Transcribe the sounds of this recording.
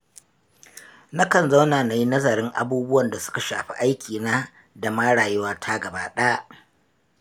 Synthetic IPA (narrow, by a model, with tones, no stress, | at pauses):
na˦kɐ˨nza˦wnaː˨na˨ji˦nɐ˦zɐ˨ɾɪ˦ŋʔa̰˨buː˦bʊ˦wɐ˨nda˨sʊ̥˦ka˨ʃa̰ː˨ɸi̥˦ʔa˦jkʲʰiː˨naː˦ | da˨maː˦ɽaː˨jɪ˦waː˦tʰaː˦ɡɐ˨baː˦ɗaː˦ʔ